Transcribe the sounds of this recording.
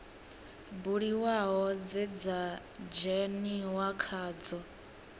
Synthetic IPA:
buɺiwaɦɔd͡zɛd͡za | d͡ʒɛniwakʰaːd͡zɔ

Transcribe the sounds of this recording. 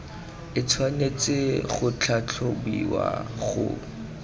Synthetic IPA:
ɪt͡sʰwanet͡sɪχʊt͡ɬʰat͡ɬʰobiwa̰χʊ̰

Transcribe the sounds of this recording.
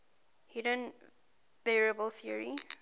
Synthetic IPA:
hiɾə̃n | b̥ɛɹiəbəlθiəɹi

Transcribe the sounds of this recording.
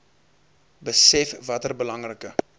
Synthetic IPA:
bəsɛfvɐtərbəlɐŋrəkə

